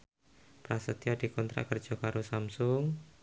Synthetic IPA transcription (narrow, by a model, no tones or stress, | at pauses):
pɾasət̪iɔd̥i̤kɔnt̪ɾa̰ʔkərd̥ʒ̥ɔ̤kaɾusamsʊŋ